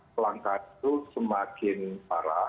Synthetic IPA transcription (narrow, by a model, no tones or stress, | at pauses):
laŋkadusəmakɪnpaɾa